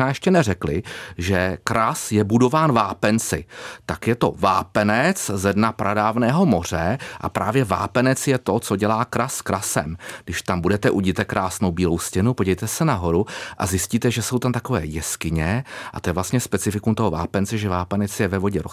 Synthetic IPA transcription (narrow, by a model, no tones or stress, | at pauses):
aːjɛʃcɛnɛrɛklɪʒɛkɾasjɛbudo̞vaːnvaːpɛnt͡sɪ̰t̪akjɛt̪o̞̰vaːpɛnɛt͡szɛdnapɾʔadaːvnɛːɦo̞mo̞r̝ɛʔa̰pɾaːvjɛva̰ːpɛnɛt͡sjɛt̪o̞t͡so̞ɟɛlaːkɾaskɾʔasɛ̰mɡdɪʃt̪ambudɛt̪ɛʔuɟɪt̪ɛkɾʔaːsno̞wbiːlowscɛnupoɟɛjt̪ɛsɛnaɦo̞ɾuʔa̰zjɪsciːt̪ɛʒɛso̞wt̪amt̪ako̞vɛ̰ːjɛskɪɲɛʔa̰t̪ojɛvlast̪ɲɛspɛt͡sɪfɪkumt̪oɦova̰ːpɛnt͡sɛʒɛvaːpɛnɛt͡sjɛvɛvo̞ɟɛɾo